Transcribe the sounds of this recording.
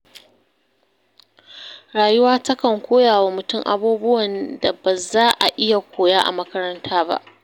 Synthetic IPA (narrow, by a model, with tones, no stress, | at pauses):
ɾaː˨jʊ˦waː˦tɐ˦kɐ˨ŋkʷoː˦jaː˨waː˨mʊ˨tʊ˦ŋʔa̰˨buː˦bʊ˦wɐ˨nda˨ba˨zaː˦ʔa˨ʔɪ˦ja˨kʷoː˨jaː˦ʔa̰˨mɐ˦kɐ˦ɾɐ˦ntʰaː˦ba̰˦ʔ